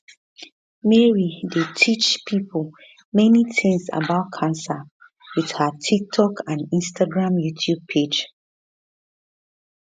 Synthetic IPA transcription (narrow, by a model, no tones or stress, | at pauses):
mɛɹidetʰit͡ʃpʰipʰəl | mɛnitʰɪ̃ŋsa̰baʊt̚kʰãnsa | wið̥hətʰik̚tʰɔkʰãnĩnstʰaɡɹãmjutʰjub̚pʰed͡ʒ